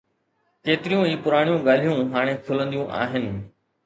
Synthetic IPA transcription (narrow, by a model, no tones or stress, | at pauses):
keːt̪ɪɾijũiːpʊɾaːɽ̃ijũɡaːl̤ijũɦaːɽ̃ẽːkʰʊlə̃nd̪ijũʔa̰ːɦɪnɪ̆